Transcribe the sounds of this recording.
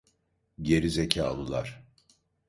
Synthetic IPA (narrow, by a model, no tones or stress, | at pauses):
ɟe̞ɾizecʰaːlˠɯlˠa̰ɾ̥